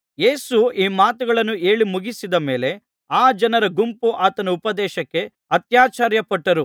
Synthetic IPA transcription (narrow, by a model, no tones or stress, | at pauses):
jeːsuiːmaːt̪uɡɐɭɐnːue̞ːɭimuɡisid̪ɐme̞ːle̞ | aːd͡ʒɐnɐɾɐɡumpuʔaːt̪ɐnɐupɐd̪ɛːʃɐkːe | ɐt̪jaːt͡ʃaːɾjɐpɐʈːɐɾu